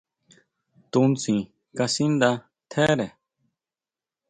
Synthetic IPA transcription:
t̪u˧nt͡sĩ˨ | ka˧si˦nd̪a˧ | t̪ʰe˦ɾe˨

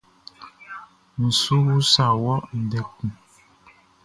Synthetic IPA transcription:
n̩˨su˦wu˦sa˨wɔ˦ʔn̩˨dɛ˨k̩̚˨

